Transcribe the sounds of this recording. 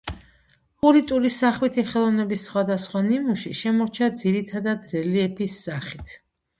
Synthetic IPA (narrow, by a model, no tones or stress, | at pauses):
pʼuɾit̪ʼuɾisaχwit̪ʰiχɛlˠɔvnɛbisːχwad̪asχwanimuʃiʃɛmɔɾt͡ʃʰad̪ziɾit̪ʰad̪ad̪ɾɛliɛpʰisːaχit̪ʰ